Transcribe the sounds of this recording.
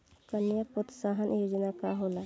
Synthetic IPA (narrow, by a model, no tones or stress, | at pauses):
kənjəpot̪saɦənʔjoːd͡ʒnakaɦoːla